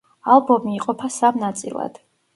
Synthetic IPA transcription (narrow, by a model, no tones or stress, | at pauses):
alˠbɔmiːqʼɔpʰasamnat̪sʼḭlˠa̰d̪̥